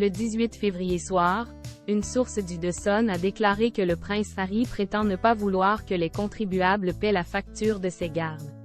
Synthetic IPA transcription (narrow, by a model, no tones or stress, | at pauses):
ləd̪izɥit̪fevʁijeswaːʁynsuʁsd̪yd̪øsɔnad̪eklaʁekələpχɛ̃sfaʁipχet̪ɑ̃nəpavulwaːʁkəlɛkɔ̃t̪χibyablpɛlafak̚t̪yːʁd̪əsɛɡaʁd̪